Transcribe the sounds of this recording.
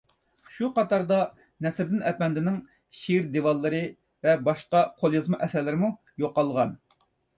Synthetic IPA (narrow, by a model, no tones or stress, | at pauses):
ʃuqɑt̪ɑɾd̪ɑ | nɛsɪɾd̪ɪnɛpɛnd̪ɪnɪŋ | ʃiɾd̪evɑlˠːɨɾɨ | vɛbɑʃqɑqʰolˠjizmɨʔɛsɛɾlɪɾɪmu | joqːɑlˠʁɑn